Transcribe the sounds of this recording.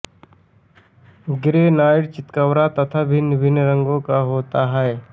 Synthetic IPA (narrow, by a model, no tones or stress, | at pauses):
ɡɪɾenaːɪɽt͡ʃɪt̪kəwɾat̪ɐt̪ʰabʱɪnəbʱɪnːɾəŋɡõkaɦoːt̪aɦɛe